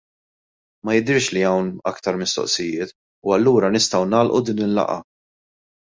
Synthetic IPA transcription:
mɐjɪd̪ɪɾʃliɐwnɐ̰kt̪ɐɾmɪst̪ɔ̰ʔsɪjɪːt̪ | uɐlːuːɾɐnɪst̪ɐwnɐːlʔud̪iːnɪlːɐ̰ʔɐ̰

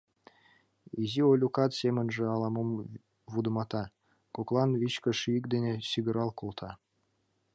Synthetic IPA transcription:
iziolʲukɑt̪semə̆nʐĕɑlˠɑmom | vud̪ə̆mɑt̪ɑ | koklˠɑnβit͡ɕkə̆ʃyəkd̪enʲesiɡə̆ɾɑlˠkolˠt̪ʰɑ

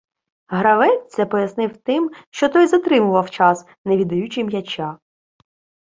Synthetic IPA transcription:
ɦɾɐʋɛsʲɛpɔjɐsnɪwt̪ɪmʃt͡ʃɔt̪ɔjzɐt̪ɾɪmʊʋɐwt͡ʃɑs | neʋʲid̪ɐjut͡ʃɪmjɐt͡ʃʲɑ

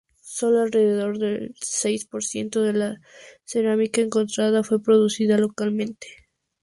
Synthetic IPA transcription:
so̞loalre̞ðe̞ðo̞ɾðe̞lse̞jspo̞ɾsje̞nt̪o̞ðe̞la | se̞ɾamikaeŋko̞nt̪ɾaðafwe̞pɾo̞ðusiðalo̞kalmẽ̞nt̪e̥

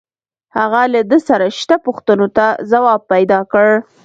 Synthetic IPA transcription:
haɣalad̪əsaɾaʃt̪apoxt̪ənot̪azawɑb̚pːajd̪ɑkəɽ

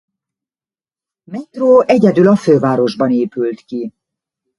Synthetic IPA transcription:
mɛt̪roːɛɟɛd̪ylɒføːvaːɾo̞ʒbɒneːpylt̪ki

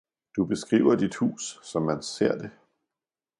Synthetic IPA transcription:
d̥ub̥e̝sɡ̥ʁḭːʊɐdid̥hṵːsːɒ̽mːænse̝ɐ̰d̥e̝

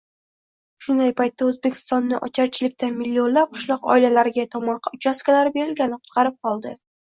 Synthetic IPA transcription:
ʃʊnd̪ajpajt̪ːaɵzbekʲʰɪ̥st̪ɒnːɪʔɒ̰t͡ʃʰaɾt͡ʃʰɪlɪk̚ʲt̪anmilːio̞nlap̚qʰɨ̥ʃlˠɒqɒ̰ɪlalaɾɪɡʲat̪ʰɒmɒɾqʰɑʊt͡ʃʰaskʲalaɾbe̞ɾɪlɡʲanɪqʰʊ̥t̪̚qɑɾɪp̚qʰɒlˠd̪ɪ

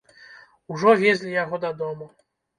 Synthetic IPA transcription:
uʐɔvʲjɛzʲlʲijaɣɔd̪ad̪ɔmɔ

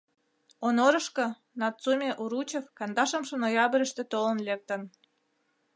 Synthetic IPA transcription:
onoɾɤ̆ʃkɤ̆ | nɑtt͡sumʲeʔuɾut͡ɕefkɑnd̪ɑʃə̆mʃə̆nojɑbə̆ɾə̆ʃt̪ĕt̪olə̆nlek̚t̪ə̆n

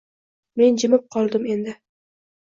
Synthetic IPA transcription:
me̞nd͡ʒɪmɪp̚qʰɒlˠd̪ɪme̞nd̪ɪ

